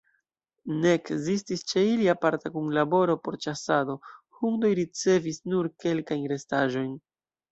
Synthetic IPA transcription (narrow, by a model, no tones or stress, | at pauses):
ne̞kzistist͡ʃe̞iliapaɾtakuŋlabo̞ɾo̞po̞ɾt͡ʃasado̞huŋdo̞jɾit͡se̞visnuɾke̞lkajnɾe̞staʒo̞jn